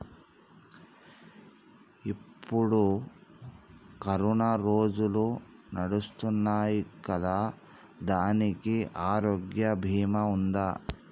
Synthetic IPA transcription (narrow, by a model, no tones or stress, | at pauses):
ipːuɽu | kɐɾuɳɐɾoːd͡ʒulunɐɽust̪unːaːjikɐd̪aː | d̪aːnikiʔaːɾoːɡjɐbʱiːmɐund̪aː